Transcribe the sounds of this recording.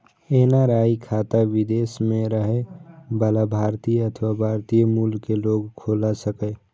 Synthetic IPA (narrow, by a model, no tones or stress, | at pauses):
eːnaɾaːikʰaːt̪aʋɪd̪eːsmẽɾəɦebəlabʱaːɾt̪iət̪ʰʋabʱaːɾt̪ijəmuːlkeloːɡkʰoːlasəke